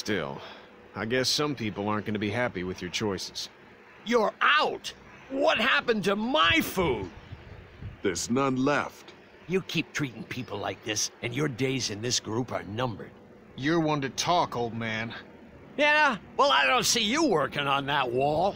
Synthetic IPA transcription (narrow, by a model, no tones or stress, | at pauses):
stɪ̰lˠ | aɪɡɛsʌ̃mpʰipl̩ˠɑɹt̚ɡ̥ʌnɨbiɦæpiwɨðjə˞t͡ʃʰɔɪsɨ̥z̥ | jə˞ʔaʊt | wʌt̚hæpɨ̃ntəmaɪfud̥ | ðə˞znʌ̃nlɛ̰ft | jɨkʰip̚tʰɹ̥iɾɪ̃ŋpʰipl̩ˠla̰ɪk̚ðɪsɨ̃njə˞deɪzɨ̃nðɪsɡ̥ɹupə̰˞nʌ̃mbə̰˞d̥ | jə˞wʌ̃ntɨtʰɔkoʊlˠd̚mæ̃n | jæwɛlˠaɪdõʊ̃ntsijəwɜ˞kɪ̃ŋə̃nðət̚wɔlˠ